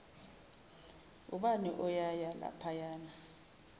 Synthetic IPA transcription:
uɓaniʔɔjajala̰pʰajaːna

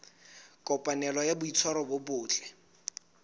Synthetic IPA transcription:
kʼɔpʼanɛlɔjabʊit͡sʰwaɾɔbʊbʊːt͡ɬʼɛ̥

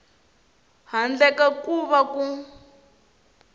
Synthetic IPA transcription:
ɦand͡ɮɛkakuβaku

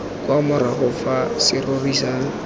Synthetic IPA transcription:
kʼwamʊɾaχʊfasɪrorisaːŋ̩

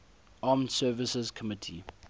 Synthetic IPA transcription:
aːmsɛːvɪsəzkʰɔmɪtʰḭ

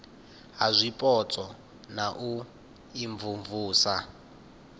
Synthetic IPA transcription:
ɦazʷipʼɔt͡sʼɔ | naʔu | iɱvuɱvuːsa

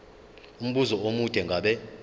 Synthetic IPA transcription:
um̩ɓuzɔomud̥ʱʼɛŋɡʱaɓɛ

